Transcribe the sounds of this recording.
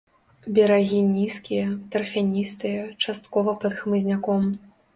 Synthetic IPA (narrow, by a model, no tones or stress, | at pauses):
bʲɛɾaɣʲinʲiskʲijɐt̪ɐrfʲanʲist̪ɨjɐt͡ʂast̪kɔvɐpɐd̪xmɨzʲnʲakɔm